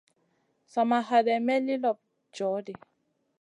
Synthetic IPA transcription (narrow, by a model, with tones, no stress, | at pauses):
sa˨ma˨ɦa˨dɛ˨mɛ˦li˦lɔ˨p̚ | d͡ʒɔ˨˦di˨